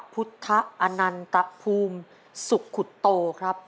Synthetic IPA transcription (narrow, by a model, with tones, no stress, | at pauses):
pʰu˦˥t̪ʰːa˦˥ʔʔa˧na˧nt̪a˦ʔpʰuː˧m | su˨˩kʰːu˨˩t̪ːoː˧kʰɾa˦˥p̚